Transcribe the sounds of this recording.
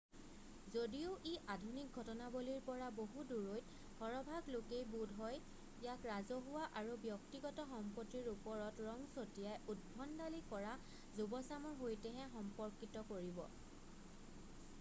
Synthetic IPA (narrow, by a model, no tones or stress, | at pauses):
zodijoʔeʔadʱunik̚ɡʱɔtɔnaboliɹpɔɹaboɦuduɹojt | bʱɔɹɔbʱaɡlokejbudʱɦɔj | ijakɹazɔɦʊwaʔaɹubjɔktiɡɔtɔxɔmpotiɹupɔɹɔtɹɔŋsotijajud̚bʱɔndalikɔɹa | zubɔsamɔɦojtɛɦɛ̃xɔmpɔɹkitɔkoɹibɔ̰